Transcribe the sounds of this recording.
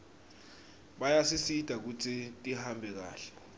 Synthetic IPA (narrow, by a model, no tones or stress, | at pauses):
ɓajasisid̥ʱak̬ut͡sʰitʼihambʱɛk̬a̰ːɬɛ̥